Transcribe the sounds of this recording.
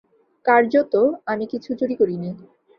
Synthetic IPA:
kaɾd͡ʑot̪oamikit͡ɕʰud͡ʑoɾikoɾini

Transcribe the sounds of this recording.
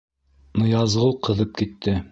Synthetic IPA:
nŏjɑzʁɤlˠqʰɤ̆ðɤp̚kit̪ʰːɘ

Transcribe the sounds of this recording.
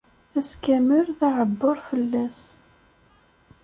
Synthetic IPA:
æskæməɾθaʕəbːʊɾfəlːæs

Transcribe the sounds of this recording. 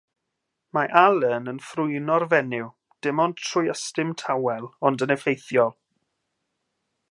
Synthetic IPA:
maʔalˠənənfrʊɨnɔrvɛnɪw | d̥ɪmɔntʰrʊjəstɪmtʰawɛlˠɔndənɛfejθjɔlˠ

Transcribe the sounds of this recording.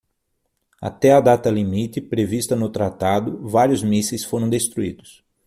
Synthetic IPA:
a̰t̪ɛɐd̪at̪ɐlimit̪ɪpɾevist̪ɐnʊt̪ɾat̪ad̪ʊvaɾjʊzmisejsfoɾɐ̃w̃d̪est̪ɾuid̪ʊs

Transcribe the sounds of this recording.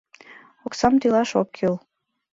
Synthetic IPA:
oksɑmt̪ilɑʃokʰːyl

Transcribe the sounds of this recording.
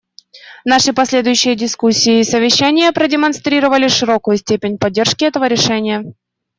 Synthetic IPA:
naʂɨpɐsʲlʲe̞d̪ʊjʉɕːɪjədʲɪskusʲːɪːsəvʲɪɕːænʲɪjəpɾədʲɪmɐnst̪ɾʲiɾəvəlʲɪʂɨɾo̞kʊjʊsʲtʲepʲɪnʲpɐdʲːe̞rʂkʲɪɛt̪əvəɾʲɪʂɛnʲɪjə

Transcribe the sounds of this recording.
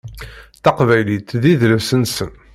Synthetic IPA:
θɑqvæjlit̪ðiðlæsənsən

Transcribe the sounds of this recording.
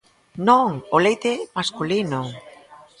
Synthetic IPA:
nõŋolejt̪emaskulino

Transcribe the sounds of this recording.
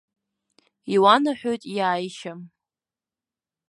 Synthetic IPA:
iwanaħʷᶣojtʼjaːjʃam

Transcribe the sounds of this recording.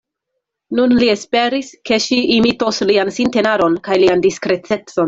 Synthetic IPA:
nunlie̞spe̞ɾiske̞ʃiʔːmitosliansinte̞naɾo̞nkajliandiskɾe̞t͡se̞t͡so̞n

